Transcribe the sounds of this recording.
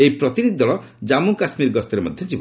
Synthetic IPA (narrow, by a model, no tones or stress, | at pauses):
ejpɾɔt̪iɾid̪id̪ɔɭɔd͡ʒamukasmiɾɡɔst̪ɔɾemɔd̪ʱjɔd͡ʒibɔ